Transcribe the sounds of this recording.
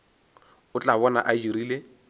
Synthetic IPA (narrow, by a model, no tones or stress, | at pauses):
ʊt͡ɬʼaβɔna̰ʔad͡ʒiɾiːle